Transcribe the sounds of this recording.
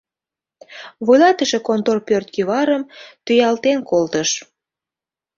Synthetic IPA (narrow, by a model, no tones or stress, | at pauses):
βujlɑt̪əʃekont̪orpørt̪̚kyβɑɾəmt̪yjɑlt̪enkolt̪əʃ